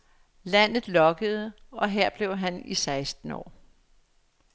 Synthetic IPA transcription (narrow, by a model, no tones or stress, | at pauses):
læn̰ð̩ˠlɒ̽ɡ̥əð̞̩ˠəɒ̽ɦeɐ̰b̥le̝ʊɦænisɑ̈ɪsd̥n̩ɒ̰ː